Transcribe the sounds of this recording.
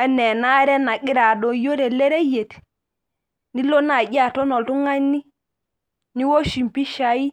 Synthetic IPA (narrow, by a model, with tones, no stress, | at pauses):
ɛ˦nɛ˨na˦ɾɛ˦na˨ɡi˦ɾa˨dɔ˨jo˦ɾɛ˨lɛ˦ɾɛ˦je˨t | ni˦lo˦na˨ɟa˨tɔ˦nɔ˨ltu˦ŋa˦nːi˦ | ni˦wo˦ʃi˨mpi˦ʃa˨i˦